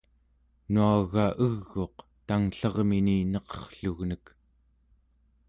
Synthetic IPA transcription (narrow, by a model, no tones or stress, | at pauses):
nuaɣaʔəɣːo̞qt̪aŋɬʌʁmininʌqʌ̥χɬuɣnək